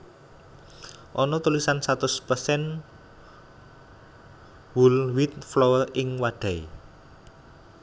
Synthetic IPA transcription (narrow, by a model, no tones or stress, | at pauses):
ʔɔnɔt̪ulisansat̪ʊspəsɛn | wulwit̪̚flɔwərʔɪŋwaɖ̥a̤i